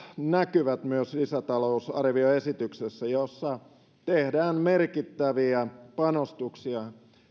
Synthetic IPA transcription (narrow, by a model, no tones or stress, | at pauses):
nækyʋæt̪myøslisæt̪ɑlousɑ̰rʋioesit̪yksesːæjosːɑ | t̪ehdæːnmerkit̪ːæʋiæpɑnost̪uksiɑ